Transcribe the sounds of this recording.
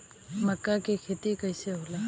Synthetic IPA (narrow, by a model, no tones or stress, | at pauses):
məkːakikʰeːt̪ikəjseɦoːlaː